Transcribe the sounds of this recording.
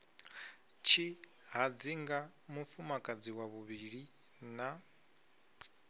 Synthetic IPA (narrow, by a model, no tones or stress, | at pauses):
t͡ʃʰi | ɦad͡ziŋɡa | mufumakʼad͡ziwaβuβiɺi | na